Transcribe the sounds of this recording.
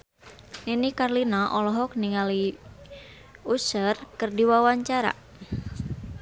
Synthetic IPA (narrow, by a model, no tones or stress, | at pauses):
ninikarlinaʔɔlɔɦɔk̚niŋali | usərkərdiwawaɲt͡ʃaɾa̰